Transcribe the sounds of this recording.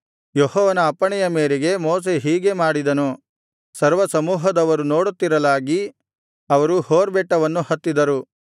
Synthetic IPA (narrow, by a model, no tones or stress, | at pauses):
johɔːʋɐnɐːpːɐɳɛjɐmeːɾeɡe̞moːs̬e̞ɦiːɡe̞maːɽid̪ɐnu | sɐɾʋɐsɐmuːɦɐd̪ɐʋɐɾuno̞ːɽut̪ːiɾɐlaːɡi | ɐʋɐɾuhoːɾbɛʈːɐʋɐnːuhɐt̪ːid̪ɐɾu